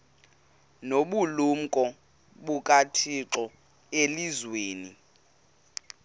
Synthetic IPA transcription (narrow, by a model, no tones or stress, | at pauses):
noɓulum̩kʼɔ | ɓukʼatʰiǁɔ | elizweːni